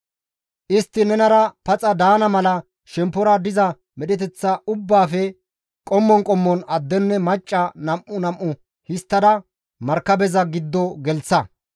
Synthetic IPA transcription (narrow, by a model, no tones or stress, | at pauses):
ʔɪst̪ːɪnɛnɐɾɐpɐt͡sʼɐd̪aːnɐmɐlɐ | ʃɛmpːɔɾɐd̪ɪzɐ | mɛɗɛt̪ɛt͡sːɐʊbːaːfɛ | kʼɔmːɔŋkʼɔmːɔnɐd̪ːɛnːɛmɐt͡ʃʼːɐnɐmʔːʊnɐmʔːʊ | hɪst̪ːɐd̪ɐ | mɐɾkːɐbɛzɐɡɪd̪ːɔɡɛlt͡sːɐ